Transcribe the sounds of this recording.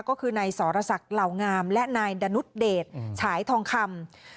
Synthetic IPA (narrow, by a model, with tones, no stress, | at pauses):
kɔː˥˩kʰɯː˧na˧jsɔː˩˦ɾa˧sa˨˩k̚la˨˩wŋaː˧mlɛ˦˥ʔnaː˧jda˧nu˦˥t̪̚deː˨˩t̪̚t͡ɕʰaː˩˦jt̪ʰɔː˧ŋkʰa˧m